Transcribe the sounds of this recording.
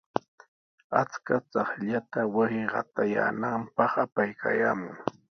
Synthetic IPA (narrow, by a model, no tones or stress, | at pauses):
at͡skat͡sɑχʎat̪awasɪɢɑ̰t̪aja̰ːnampɑχapajkʰajaːmʊŋ